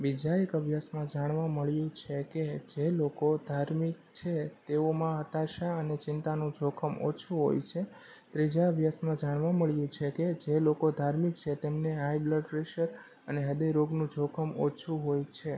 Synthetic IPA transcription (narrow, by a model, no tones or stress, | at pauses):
ʋid͡ʒaekəbʱjasmãd͡ʒaɽ̃ʋãməɭjũt͡ʃʰeked͡ʒelokod̪ʱaɾmik̚t͡ʃʰet̪eomãɦət̪aʃaənet͡ʃɪnt̪anũd͡ʒʱokʰəmo̰t͡ʃʰũɦo̰jt͡ʃʰe | t̪ɾid͡ʒaəbʱjasmãd͡ʒaɽ̃ʋãməɭjũt͡ʃʰeked͡ʒelokod̪ʱaɾmik̚t͡ʃʰet̪emneɦajbləɖɾeʃəɾ | əneɦəd̪eɾoɡnũd͡ʒʱokʰəmot͡ʃʰũɦojt͡ʃʰe